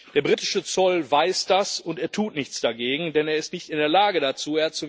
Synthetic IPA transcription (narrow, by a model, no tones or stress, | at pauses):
d̥eːɐbʁiːtɪʃət͡sɔlvaɪsd̥asʊnteːɐtʰuːtnɪçt͡sd̥aɡeːɡŋ̩dɛneːɐɪstnɪçtɪndeːɐlaːɡədat͡suːeɐt͡su